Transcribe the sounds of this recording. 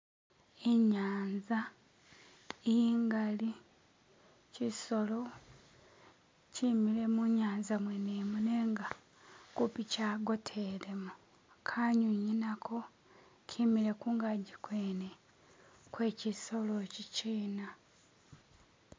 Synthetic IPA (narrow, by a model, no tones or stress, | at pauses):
eɲaːnza | ejiŋɡali | ciso̞lo̞ | cimile̞muɲaːnzamweneːmuneːŋɡa | kupicaːɡo̞tʰeɾemu | kʰaɲuɲinakʰo̞ | cʰimiɾe̞kuːŋɡaɟikweːne | kwe̞ːciso̞lo̞ciciːna